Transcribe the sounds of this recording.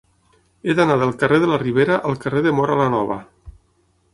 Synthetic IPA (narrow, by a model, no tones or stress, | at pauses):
ed̪anaðəlˠkəreðəlariβ̞eɾaʔalˠkəreðəmoɾalanɔβ̞ə̰